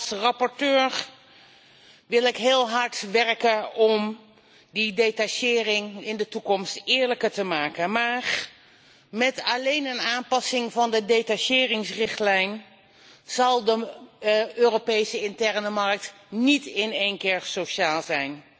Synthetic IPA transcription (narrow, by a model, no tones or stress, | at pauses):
srɑpɔɹtøːɹ | ʋɪlˠɪkɦɪːlˠɦɑɹtʋɛrkəɔm | didejtaʃɪːrɪŋɪndətukɔmstɪːɹləkəɹtəmaːkənmaːr | mɛtɑlejnənaːmpɑsɪŋvɑndədetaʃɪːrɪŋsrɪχtlɛjn | z̥ɑlˠdə | øːropejsəɪntɛɹnəmɑɹk̚t | nitɪnejnkɪːɹsoʃaːlˠzɛjn